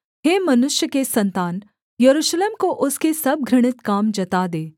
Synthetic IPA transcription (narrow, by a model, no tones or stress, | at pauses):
ɦeːmɐnʊʃjəkesɐnt̪aːn | jɐɾuʃleːmkoʔʊskesɐb̚ɡʱɾɪɽ̃ɪt̪kaːmd͡ʒɐt̪aːd̪eː